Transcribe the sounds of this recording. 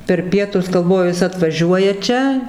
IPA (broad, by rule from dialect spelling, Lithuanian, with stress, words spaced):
pʲɛr ˈpʲiɛtʊs ɡɐlˠˈʋoːjʊ ˈjɪs ɐtʋɐˈʒʲuɔjɛ ˈt͡ʃʲɛ